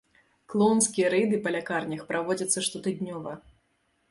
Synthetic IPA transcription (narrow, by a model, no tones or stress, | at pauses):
klˠɔwnskʲijɐɾɛd̪ɨpɐlʲakarnʲɐxpɾavɔd͡zʲɐt̪sːɐʂt̪ɔt̪ɨd̪ʲnʲɔvɐ